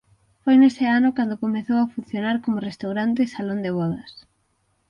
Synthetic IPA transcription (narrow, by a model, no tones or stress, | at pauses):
fojneseanʊkand̪ʊkomeθowafunθjonaɾkomʊrest̪awɾant̪esalond̪eβɔðɐs